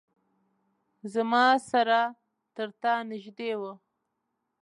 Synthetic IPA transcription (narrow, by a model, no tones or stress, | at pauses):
zamɑsaɾa | t̪əɾt̪ɑnɪʒd̪ewə